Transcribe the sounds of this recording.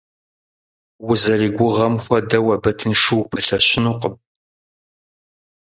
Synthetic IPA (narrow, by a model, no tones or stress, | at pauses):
wʊzɐriːɡʷʊʁɐmxʷɔdɐwɐbɐtʰɨnʂɨwpʰɐɬɐɕɪnuqəb̚